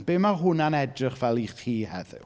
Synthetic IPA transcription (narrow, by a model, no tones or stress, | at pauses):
b̥eːmaɦʊnanɛdrɪχvɛlˠiχiːhɛ̰ðɪ̰